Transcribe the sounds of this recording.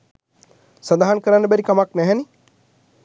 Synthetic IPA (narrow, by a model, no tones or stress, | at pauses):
sand̪aɦankəɾanːəbæɾikamaknɛɦɛni